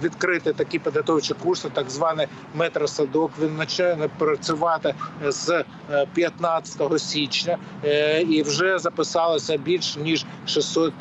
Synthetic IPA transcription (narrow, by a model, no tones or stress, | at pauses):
ʋʲid̪kɾɪt̪ɪt̪ɐkʲipʲid̪ɦɐt̪ɔwt͡ʃɪkursɪt̪ɐɡzʋɑnɪj | mɛt̪ɾɐsɐd̪ɔkʋʲinːɐt͡ʃ̪ɛnpɾɐt͡sʲʊʋɑt̪ɪz | pʲjɐt̪nɑt͡sʲɐ̥t̪ɔɦɔsʲit͡ʃnʲɐ | iwʒɛzɐpɪsɑlˠɐsʲɐbʲilʲʃnʲiʒ | ʃɪsɔt̪̚